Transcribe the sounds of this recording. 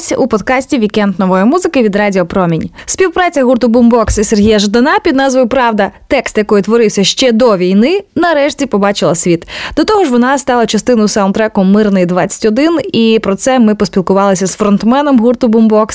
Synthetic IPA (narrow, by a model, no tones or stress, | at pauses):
sʲupɔd̪kɑsʲtʲiʋʲikɛnd̪nɔʋɔjɔmuzɪkɪʋʲid̪ɾɑdʲiɔpɾɔmʲinʲsʲpʲiwpɾɑt͡sʲɐɦurt̪ʊbʊmbɔksiserɦʲijɐʒd̪ɐnɑpʲid̪nɑzʋɐjʊpɾɑwd̪ɐt̪ɛkst̪jɐkɔjit̪ʋɔɾɪwsʲɐʃt͡ʃɛd̪ɔʋʲijnɪnɐɾɛʃtʲipɔbɑt͡ʃɪlˠɐsʲʋʲit̪d̪̥ɔt̪ɔɦɔʒʋɔnɑst̪ɑlˠɐt͡ʃɐst̪ɪnʊsɑwnt̪ɾɛkɔmːɪrnɪjd̪ʋɑt͡sʲːɐ̥tʲɔd̪ɪnipɾɔt̪sɛmɪpɔsʲpʲilˠkʊʋɑlˠɪsʲɐzfɾɔnt̪mɛnɔmɦurt̪ʊbʊmbɔks